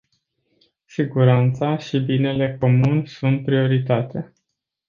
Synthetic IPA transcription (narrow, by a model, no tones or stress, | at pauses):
siɡuɾant̪saʃibine̞le̞ko̞munʲsunt̪̚pɾio̞ɾit̪at̪e